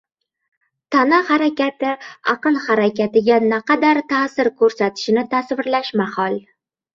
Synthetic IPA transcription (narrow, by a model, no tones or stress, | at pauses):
t̪ʰanahaɾakʲat̪ɪɑqɨnhaɾakʲʰat̪ɪɡʲanaqʰɑd̪aɾt̪ʰasɪɾkʰɵɾsat̪ʰɪ̥ʃɪnɪt̪ʰasvɪɾlaʃmahɒlˠ